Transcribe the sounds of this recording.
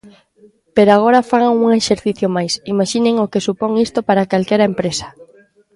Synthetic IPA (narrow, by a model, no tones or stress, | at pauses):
peɾoaɣ̞oɾɐfaɣaŋuŋeʃeɾθiθjomajsimaʃineŋokesupɔŋist̪opaɾakalkɛɾɐempɾesɐ̥